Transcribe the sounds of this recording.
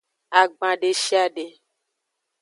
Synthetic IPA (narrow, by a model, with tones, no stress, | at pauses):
a˨ɡ͡bã˨ɖe˨ʃi˦a˦ɖe˨